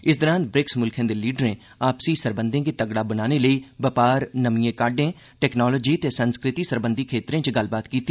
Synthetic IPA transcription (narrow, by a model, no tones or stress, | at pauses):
ɪsd̪əɾãːnt̪̚bɾɪksmʊlkʰẽːd̪eːliːɖəɾẽː | aːpsiːsəɾbə̃nd̪ẽːkit̪əɡɽaːbənaːneləiːʋəpaːɾnəmiːẽːkaːɖẽː | ʈɛːknɔːlɔːd͡ʒiːt̪eːsənskɾɪt̪iːsəɾbənd̪ʱikʰeːt̪ɾẽːt͡ʃɡəlbaːt̪kiːt̪ːi